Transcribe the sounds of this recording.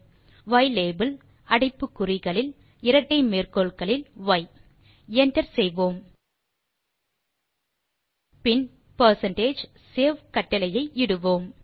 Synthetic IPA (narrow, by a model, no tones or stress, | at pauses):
ʋɐɪleːbɐl | ɐɽɐɪpːɯkːʊrɪɣɐɭɪl | ɪɾɐʈːɐɪmeːrkoːɭkɐɭɪlʋɐɪ | ɛnʈɐɾsɛjʋoːm | pɪn | pɐɾsɐnʈeːd͡ʒ | seːʋkɐʈːɐlɐjɐɪɪɽɯʋoːm